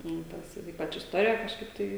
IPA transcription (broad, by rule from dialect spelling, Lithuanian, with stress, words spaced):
nʊ ˈtɐs ɪr ˈiːpɐt͡ʃ ɪsˈtoːrʲɪjɛ kɐʃˈkɐɪp ˈtɐɪ